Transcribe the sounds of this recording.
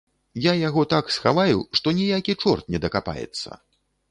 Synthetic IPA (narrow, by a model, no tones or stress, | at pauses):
jajaɣɔt̪aksxavajuʂt̪ɔnʲijakʲit͡ʂɔrt̪̚nʲɛd̪ɐkapa̰jɛ̰t̪sːɐ̰